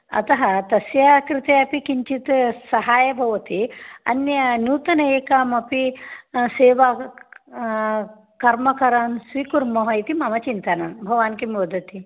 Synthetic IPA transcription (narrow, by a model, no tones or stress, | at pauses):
ɐ̰t̪ɐɦɐt̪ɐsjakɾit̪eɐpikiɲt͡ʃit̪sɐɦaːjɐbʱɐʋɐt̪iɐ̰njɐnjuːt̪ɐnɐeːkaːmɐpiseːʋa | kɐɾmɐkɐɾansʋikuɾmɐɦɐjt̪imɐmɐt͡ʃint̪ɐnanbʱɐʋaːnkimiʋɐd̪ʱɐt̪i